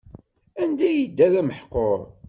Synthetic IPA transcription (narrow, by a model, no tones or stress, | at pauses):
ænd̪æjid̪ːæðæməħqːoɾˤ